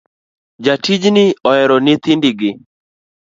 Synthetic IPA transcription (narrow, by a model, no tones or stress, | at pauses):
d͡ʒatid͡ʒnɪɔɛɾɔnɪt̪indɪɡɪ